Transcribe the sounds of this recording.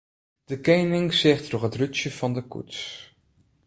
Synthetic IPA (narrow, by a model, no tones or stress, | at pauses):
d̥əkejnɪŋsɛχtnɔχɦətrʏt͡ʃəv̥ɑndəkṵts